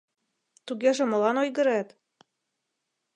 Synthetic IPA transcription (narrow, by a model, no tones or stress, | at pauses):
t̪uɣeʒĕmɤ̆lɑnojɣɤ̆ɾæt̪